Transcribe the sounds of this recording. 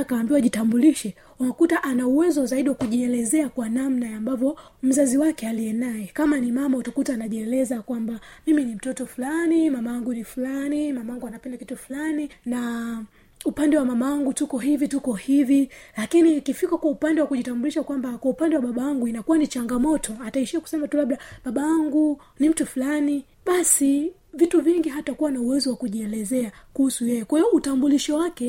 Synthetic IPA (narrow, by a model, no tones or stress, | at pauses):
kaːmbiwaʄitambuliʃɛ | unakutaʔanauwɛzɔzaiɗiwakuʄiɛlɛzɛakwanam̩najambavjɔ | m̩zaziwakɛalijɛnajɛkamanimamautakutaːnaʄiɛlɛzakwambamiminim̩tɔtɔfulanimamawaŋɡunifulanimamawaŋɡuanapɛndakitufulanina | upandɛwamamawaŋɡutukɔɦivitukɔhivilakinikifikakwaupandɛwakuʄitambuliʃakwambakwaupandɛwaɓaɓawaŋɡuinakuwanit͡ʃaŋɡamɔtɔataiʃiaku̥sɛmatulaɓlaɓaɓawaŋɡu | nim̩tufulani | ɓasi | vituviŋɡiɦatakuwanauwɛzɔwakuʄiɛlɛzɛakuhusujɛjɛkwaiɔʔutambuliʃɔwakɛ